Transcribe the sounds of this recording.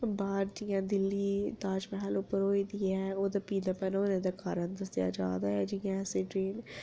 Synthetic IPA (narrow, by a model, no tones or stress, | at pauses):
baːɾd͡ʒijãːd̪ɪlːiːd̪aːd͡ʒmɛɦlʊpːəɾɦoːiːd̪iːɛːoːd̪aːpiːd̪aːpənoːnẽːd̪aːkaːɾənd̪əsɪja̰ːd͡ʒa̰ːd̪aːɛːd͡ʒɪjãːsẽːʈɾeːn